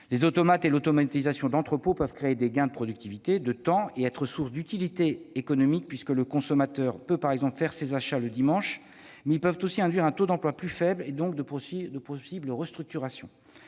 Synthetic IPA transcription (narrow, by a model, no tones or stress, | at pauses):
lezot̪ɔmat̪elot̪ɔmat̪izasjɔ̃d̪ɑ̃t̪χəpopœvkχeːd̪eɡʲɛ̃d̪əpχɔd̪yk̚t̪ivit̪ed̪ət̪ɑ̃eɛt̪χəsuʁsd̪yt̪ilit̪eːkɔnɔmik̚pɥiskələkɔ̃sɔmat̪œʁpøpaʁɛɡzɑ̃plfɛʁsezaʃaləd̪imɑ̃ʃ | mɛilpœvt̪osiɛ̃d̪ɥiʁɛ̃t̪od̪ɑ̃plwaplyfɛbled̪ɔ̃kd̪əd̪əpχɔsibləʁəst̪χyk̚t̪yʁasjɔ̰̃